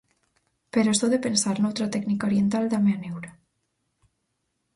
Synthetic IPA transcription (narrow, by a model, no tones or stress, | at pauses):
peɾɔst̪ɔðepensaɾnowt̪ɾat̪ɛknikaoɾjent̪ald̪ameanewɾa